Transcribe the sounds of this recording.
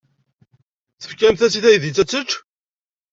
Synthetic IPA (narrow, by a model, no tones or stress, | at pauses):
θə̥fkæmθæsiθæjəðit͡sːæt͡sːət͡ʃː